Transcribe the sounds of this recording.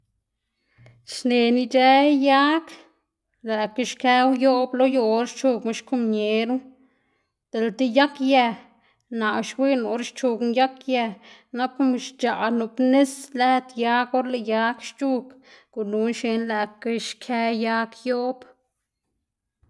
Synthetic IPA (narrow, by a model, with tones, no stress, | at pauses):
ʃne˨ni˧d͡ʒe˦ja˦k | læ˨ke˧ʃkɛ˦wjo˦blo˦jo˧ɾʃt͡ʃu˧kma˧ʃku˦mɲe˨˦ɾu˦ | d̪̥e˨lt̪i˦ja˦kjæ˧ | na˨ʃwi˦nu˨ɾʃt͡ʃu˧knja˦kjæ˧na˦ku˦m˧ʃt͡ʃa˨nu˧˨pne˦slæ˦t̪ja˦ko˦ɾle˧ja˧˦kʃt͡ʃu˦k | ɡ̥u˨nu˨˦nʃe˧nlæ˧˨ke˧ʃkʰɛ˦ja˦kjo˦b